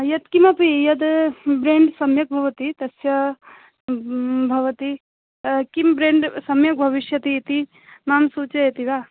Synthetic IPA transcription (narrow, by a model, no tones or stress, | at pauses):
jɐt̪kimɐpijɐd̪bɾeːɳɖsɐmjɐk̚bʱɐʋɐt̪it̪ɐsjɐ | bʱɐʋɐt̪i | kimbɾeːɳɖsɐmjɐk̚bʱɐʋiʃjɐt̪it̪i | maːmsuːt͡ʃɐjɐt̪iʋaː